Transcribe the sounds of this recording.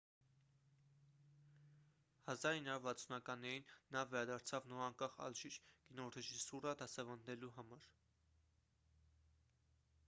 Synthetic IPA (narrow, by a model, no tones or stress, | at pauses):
hɑzɑɾhinːɑuɾvɑt͡sʰunɑkɑnːɛɾinːɑvɛɾɑd̪ɑɾt͡sʰɑvnɔɾɑŋkɑχɑ̰lʒiɾɡ̥inɔrɛʒisuɾɑd̪ɑsɛvɑnːɛluɦɑmɑɾ